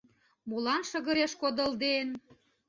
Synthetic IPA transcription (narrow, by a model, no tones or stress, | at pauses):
mulɑnʃə̆ɣə̆ɾeʃkod̪ə̆ld̪en